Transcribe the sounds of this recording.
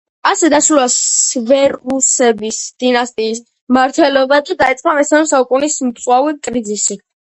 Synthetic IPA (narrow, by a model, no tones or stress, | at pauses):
asɛd̪aʃɾuasvɛɾusɛbisd̪̥inast̪ʼiːs | maɾt̪ʰwɛlɔbad̪ad̪ait̪sʼqʼamɛsanɔsaukʼunismt̪sʼwavikʼɾid̪zisi